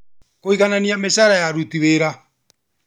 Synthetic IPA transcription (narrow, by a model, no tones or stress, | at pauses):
koiɣananiamesaɾajaɾutiβeːɾa